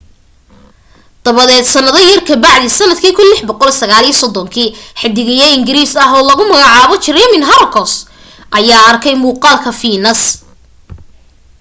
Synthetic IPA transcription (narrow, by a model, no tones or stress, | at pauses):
d̪̥ɐβɐðɛːd̪sɐnɐðɐjɐrkʰɐbɑʕðisɐnɐd̪kʰiːkʰʊnlɪħbɔqɔlɛsɐɣaːliːsɔd̪ɔŋkʰiːħɪd̪ɪɣɪjɐɪŋɡɪɾiːsɐɦɔːlɐɣʊmɐɣɑʕɑːβɔt͡ʃɪrɛmɪnɦɐɾɐkʰɔs | ʔɐjaːɐrkʰɛjmuːqɑːlkʰɐfiːnɐs